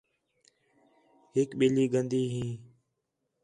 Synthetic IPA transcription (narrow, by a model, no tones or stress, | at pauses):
hɪkɓeːliːɡənd̪iːɦĩː